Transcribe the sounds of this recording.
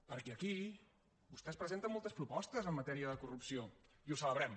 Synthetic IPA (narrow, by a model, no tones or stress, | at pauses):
pəɾkɛəki | bust̪ɛspɾəzent̪əmːolˠt̪əspɾupɔst̪əzəmːət̪ɛɾiəðəkurupsio | iusələβɾɛm